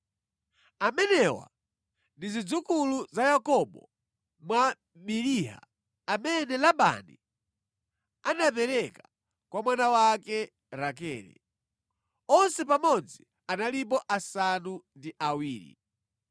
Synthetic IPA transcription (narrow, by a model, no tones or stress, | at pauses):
amɛnɛwa̰ | ndizid͡zukuluzajakɔɓɔ | mwa | miliɦa̰ | amɛnɛlaɓa̰nḭ | anap̬ɛɾɛkḁ | kwamwanawakɛ | ɾakɛ̰ːlɛ̰ | ɔnsɛpamɔd͡zi | analip̬ɔʔasanundiʔawiːɾḭ